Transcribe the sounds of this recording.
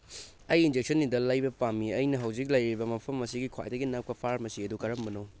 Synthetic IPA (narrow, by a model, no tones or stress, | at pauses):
ɐjind͡ʒek̚sʰɐnːidɐlɐjbɐpamiɐjnɐɦɐwd͡ʒik̚lɐjɾibɐmɐpʰɐmːɐsiɡikʰwa̰jdɐɡinɐp̚kɐpʰaɾmɐsiɐdukɐɾɐmbɐnow